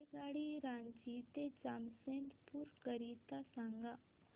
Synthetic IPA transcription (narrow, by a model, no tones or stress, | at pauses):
ɡaːɽiɾãːnd͡ʒit̪ed͡ʒaːmsẽnʈpuɾkəɾit̪asãŋɡa